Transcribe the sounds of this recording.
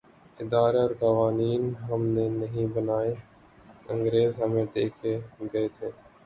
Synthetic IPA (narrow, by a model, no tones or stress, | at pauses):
ɪd̪aːɾeɔːɾkəʋaːniːnɦəmneːnəɦĩbənaːe | ə̃ŋɡɾeːzɦəmẽːd̪eːkʰeːɡɐeːt̪ʰeː